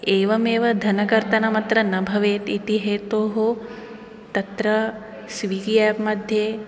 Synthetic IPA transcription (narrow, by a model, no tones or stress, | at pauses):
eːʋɐmeːʋɐd̪ʱɐnɐkɐɾt̪ɐnɐmɐt̪ɾɐnɐbʱɐʋeːt̪it̪iɦeːt̪oːɦo | t̪ɐt̪ɾɐ | sʋiːɡjaːpmɐd̪ʱjeː